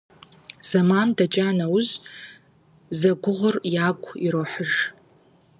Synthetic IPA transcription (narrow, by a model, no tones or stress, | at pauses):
z̥amandat͡ʃʼanawʊz | zaɡʷʊʁʷʊrjakʷʼʰiɾoːħəʒ